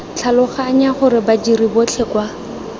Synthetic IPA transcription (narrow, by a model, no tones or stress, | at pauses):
t͡ɬʰalʊχaːɲaχʊɾɪbad͡ʒiribot͡ɬʰekwa